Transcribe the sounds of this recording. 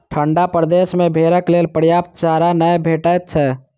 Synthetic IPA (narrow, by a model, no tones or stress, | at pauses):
ʈʰəɳɖapɾəd̪esmebʱeɾəklelpɾjapt̪d͡ʒaɾanəjbʱeʈət̪̚t͡ʃʰɛ